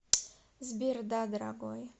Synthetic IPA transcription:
zbird̪ad̪ɾa̰ɡɔj

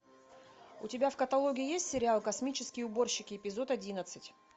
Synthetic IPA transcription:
ʊtʲɪbʲafkət̪ɐlˠo̞ɡʲɪjɪjesʲtʲsʲɪɾʲɪalˠkɐsmʲit͡ɕɪskʲɪjʊbo̞rɕːɪkʲɪɪpʲɪzo̞t̪ɐdʲinət̪sɨtʲ

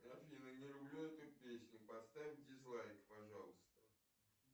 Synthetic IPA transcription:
ɐfʲinənʲɪlʲʊblʲuɛt̪ʊpʲesʲnʲʊpɐst̪avʲɪmʲdʲɪzlˠajkpɐʐɑlˠəst̪ə

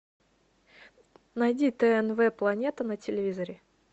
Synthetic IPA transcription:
nɐjdʲit̪ɛɛnvɛplˠɐnʲe̞t̪ənətʲɪlʲɪvʲizəɾʲɪ

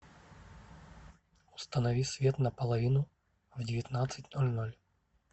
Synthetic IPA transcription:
ʊ̥st̪ənɐvʲisʲvʲe̞t̪nəpəlˠɐvʲinʊ | vdʲɪvʲɪt̪nat̪sɨtʲnolʲnolʲ

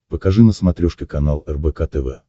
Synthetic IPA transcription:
pəkɐʐɨnəsmɐt̪ɾʲoʂkʲɪkɐnalˠɛrbɛkat̪ɛvɛ̰

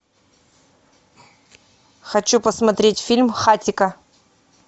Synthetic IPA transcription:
xɐt͡ɕupɐsmɐt̪ɾʲetʲfʲilʲmχatʲɪkɐ

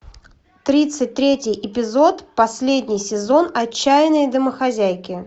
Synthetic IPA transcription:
t̪ɾʲit̪sɨt̚ʲt̪ɾʲetʲɪjʔɪpʲɪzo̞t̪pɐsʲlʲedʲnʲɪjsʲɪzo̞nɐt͡ɕːæjɪnəjd̪əməxɐzʲæjkʲɪ

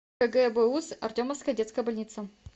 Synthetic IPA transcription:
əɡɛbɛusɐ̰rtʲoməfskəjədʲet̪skəjəbɐlʲnʲit̪sə

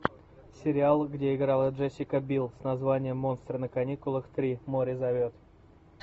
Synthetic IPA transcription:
sʲɪɾʲɪalˠɡdʲeɪɡɾalˠəʐɛsʲɪkəbʲilˠsʲnɐzvanʲɪjəmːo̞nst̪ɾənəkɐnʲikʊlˠəxt̪ɾʲimoɾʲɪzɐvʲot̪

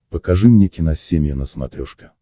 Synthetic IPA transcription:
pəkɐʐɨmnʲekʲɪnɐsʲemʲjənəsmɐ̰t̪ɾʲɔʂkʲə

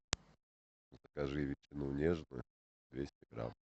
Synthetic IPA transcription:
zəkɐʐɨvʲɪt͡ɕɪnunʲeʐnɨ̰ | d̪vʲesʲtʲɪɡɾa̰m

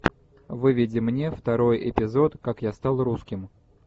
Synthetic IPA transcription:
vɨvʲɪdʲɪmnʲeft̪ɐɾo̞jɪ̰pʲɪzo̞t̪kakjast̪ɑlˠruskʲɪm

